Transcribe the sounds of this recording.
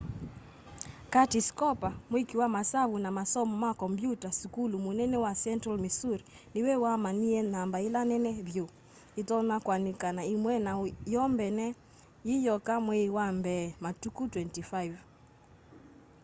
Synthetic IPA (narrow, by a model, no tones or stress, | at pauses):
katiskɔpamwekiwamasaβunamasɔmɔmakɔmbjutasukulumunɛnɛwasɛntɾalmisuɾi | niwɛwamaniɛnambailanɛnɛβjo | itɔnakwanikanaimwɛnajɔmbɛnɛ | ijɔkamwewambɛmatukutwɛntifaiv